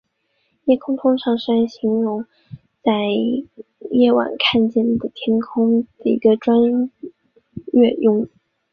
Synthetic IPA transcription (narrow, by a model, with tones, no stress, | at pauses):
jɛ˥˩kʰʊ˥ŋt̪ʰʊ˥ŋʂɑ˥˩ŋʂa˥nɕi˧˥ŋɻʊ˧˥ŋ | t͡sa˥˧ɪ | jɛ˥˩wa̰˨˩nkʰa˥˧nt͡ɕjɛ˥˩nd̪ə˩t̪ʰjɛ˥nkʰʊ˥ŋd̪̥ə˨˩ḭ˧˥ɡə˧ʈ͡ʂwa˥n | ɛ˥˧jʊ˥˧ŋ˥˩